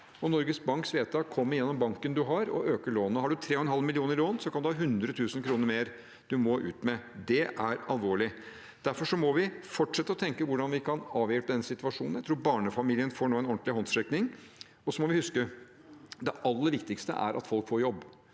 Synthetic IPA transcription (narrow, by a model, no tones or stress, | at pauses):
ɔnɔɾɡəsbɑŋksʋeːt̪ʰɑkʰɔmːəɾjɛnːɔmbɑŋkənd̪ʉɦɑɾɔ̰ʔøːkəɭoːnəhɑɖʉt̪ʰɾeːɔhɛnɦɑlmɪlɪuːnəɾloːnsɔkʰɑnd̪ʉhɑːɦʉnd̪ɾət̪ʰʉːsənkʰɾuːnəɾmeːɾ | d̪̥ʉmɔʔʉ̰ːt̪mɛd̪ɛʔæɾɑ̰lʋoːɭɪ | d̪̥æɾfɔʂɔmɔʋɪfɔʈʂɛt̪ːəɔt̪ʰɛŋkəʋʊɖɑnʋɪkʰɑnɑːʋjɛːp̪əd̪ɛnːəsɪt̪ʉʋɑʂṵːnn̩jæɪt̪ɾuːɾbɑːɳəfɑmiːlɪənfoːɳuːɛnɔɳt̪lɪɦɔnsɾɛknɪŋ | ɔsɔmɔʋɪhʉskə | d̪ɛʔɑlːəɾʋɪkt̪ɪkst̪ə̰ʔæ̰ɾʔɑ̰t̪fɔlkfɔːɾjɔbː